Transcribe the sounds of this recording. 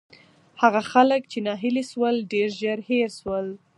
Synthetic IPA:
haɣaxalək̚t͡ʃenɑɦɪliʃwəlɖeɾʒəɾheɾswəl

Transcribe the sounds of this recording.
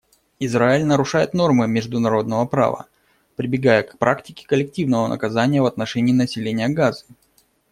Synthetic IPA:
ɪzraɪlʲnəɾʊʂajɪt̪no̞rmɨmʲɪʐd̪ʊnɐɾo̞d̪nəvəpɾa̰və̰ | pɾʲɪbʲɪɡajəkpɾʔaktʲɪkʲɪ̥kəlʲːɪk̚tʲivnəvənʔə̰kɐzanʲɪjəvɐt̪nɐʂɛnʲɪiːnəsʲɪlʲenʲɪjəɡazɨ̥

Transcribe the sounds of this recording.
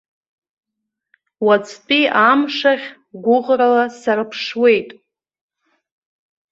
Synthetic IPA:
wat͡sʼʰt͡pʼiamʂaʁʲ | ɡʷʊʁralasarɨpʰʂwe̞jtʼ

